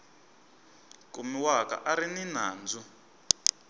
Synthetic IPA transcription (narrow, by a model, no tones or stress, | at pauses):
kumiwaka̰ʔaɾininaːnd͡zu